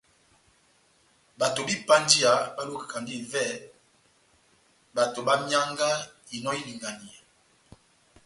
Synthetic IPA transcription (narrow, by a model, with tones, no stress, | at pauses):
ba˨to˨bi˦pa˦ndi˦a˨ba˦lu˦ka˨ka˨ndi˦˨vɛ˦ | ba˨to˨ba˦mja˦ŋɡa˦ | i˨nɔ˦i˦li˨ŋɡa˨ni˨a˨